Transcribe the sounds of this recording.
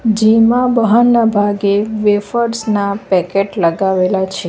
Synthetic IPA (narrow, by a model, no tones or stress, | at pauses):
d͡ʒimãbəɦanːabʱaɡeʋefəɾsnapɛkeʈləɡaʋelat͡ʃʰe